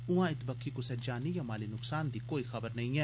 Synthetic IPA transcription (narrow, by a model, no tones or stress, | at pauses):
ʊãːɪt̪bəkʰːiːkʊsɛːd͡ʒaːniːjãːmaːliːnʊksaːnd̪iːkoːiːxəbəɾnəĩɛː